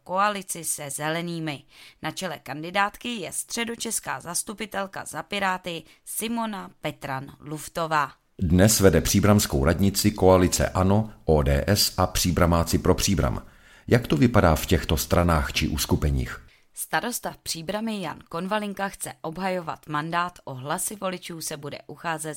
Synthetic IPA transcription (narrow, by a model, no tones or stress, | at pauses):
ko̞alɪt͡sɪsɛzɛlɛniːmɪnat͡ʃɛlɛkandɪdaːt̪kɪjɛst̪r̝̥ɛdo̞t͡ʃɛska̰ːzast̪upɪt̪ɛlka̰zapɪɾaːt̪ɪ | sɪmo̞napɛt̪ɾanluft̪o̞vaː | dnɛsvɛdɛpr̥iːbɾamskowɾadɲɪt͡sɪko̞alɪt͡sɛ̰ʔano̞ʔoːdɛ̰ːʔɛsʔapr̝̥iːbɾamaːt͡sɪpɾopr̝̥iːbɾa̰m | jakt̪ovɪpadaːfcɛxt̪o̞st̪ɾʔanaːxt͡ʃɪʔuːskupɛɲḭːx | st̪aɾo̞st̪apr̝̥iːbɾamɪja̰nko̞nvalɪŋkaxt͡sɛʔo̞bɦajo̞va̰t̪mandaːt̪ʔo̞ɦlasɪvo̞lɪt͡ʃuːsɛbudɛ̰ʔuxaːzɛt̪